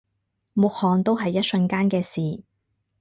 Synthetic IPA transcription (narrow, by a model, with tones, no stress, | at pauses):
mʊ˨k̚hɔː˨ŋt̪o˥wɦɐ˨jːɐ˥t̚sɵ˧nkaː˥nkɛː˧siː˨